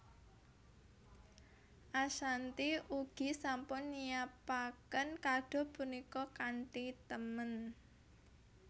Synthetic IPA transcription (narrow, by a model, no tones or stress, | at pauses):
ʔaʃant̪iuɡ̥i̤sampʊnːijapakənkaɖ̥ɔ̤punikɔkaɳʈit̪əmən